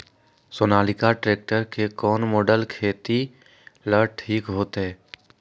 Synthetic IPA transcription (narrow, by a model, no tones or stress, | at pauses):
soːnaːlɪkaʈɾeːk̚ʈəɾkekɔːnmɔːɖəlkʰeːt̪i | ləɾʈʰiːkɦoːt̪ɦɛː